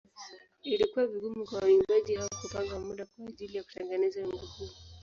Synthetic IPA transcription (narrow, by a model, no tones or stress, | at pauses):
ilikuwaviɡumukwawwiŋɡaʄihawakutaŋɡamuɗakwaːʄilijaku̥tɛŋɡɛnɛzaimɡuku